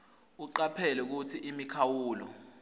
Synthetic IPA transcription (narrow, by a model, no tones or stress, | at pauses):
uǃapʰɛlɛk̬utʰiʔimikʰawuːlɔ̰